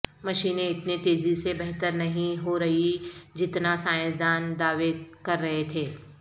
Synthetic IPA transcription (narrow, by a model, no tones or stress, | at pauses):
mɐʃiːnẽɪt̪nit̪eːzisebɐɦt̪əɾnɐɦĩɦoɾɐɦid͡ʒɪt̪nasaːjə̃sd̪aːnd̪aːʋekɐɾːɐɦet̪ʰeː